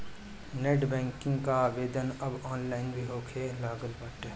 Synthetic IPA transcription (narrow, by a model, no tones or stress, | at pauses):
neʈbɛ̃ːŋkɪ̃ŋɡkaʋeːd̪ənɐbɔːnlaːɪnbiɦoːkʰelaːɡəlbaʈː